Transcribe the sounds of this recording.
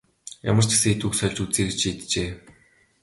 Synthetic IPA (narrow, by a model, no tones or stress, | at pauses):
ja̰mə̆r̥t͡ɕe̥seːet̪uksœɮʲt͡ɕut͡seːɡ̆t͡ɕit̪t͡ɕeː